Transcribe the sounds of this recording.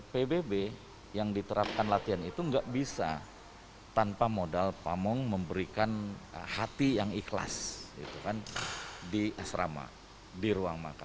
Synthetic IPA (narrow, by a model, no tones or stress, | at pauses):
pebebe | jaŋdit̪əɾap̚kanlat̪ianit̪uŋɡaʔbisa̰ | t̪anpamodalpamɔŋməmbəɾikanəhat̪ijaŋikla̰sḭt̪ukandiʔasɾa̰ma̰ | diɾuaŋma̰kan